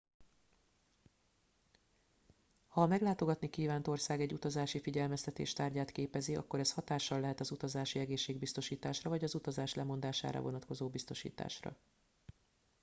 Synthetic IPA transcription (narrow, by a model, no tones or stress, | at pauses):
hɒmɛɡlaːt̪o̞ɡɒt̪nikiːvaːnt̪o̞rsaːɡɛɟːut̪ɒzaːʃifiɟɛlmɛst̪ɛt̪ḛːʃt̪aːrɟaːt̪keːpɛziɒ̰kːo̞ɾɛshɒt̪aːʃːɒlːɛɦɛt̪ɒzut̪ɒzaːʃiɛɡeːʃːeːɡ̚bist̪o̞ʃiːt̪aːʃrɒvɒɟɒzut̪ɒzaːʃlɛmo̞nd̪aːʃa̰ːɾɒ̰vo̞nɒt̪ko̞zoːbist̪o̞ʃḭːt̪a̰ːʃrɒ̰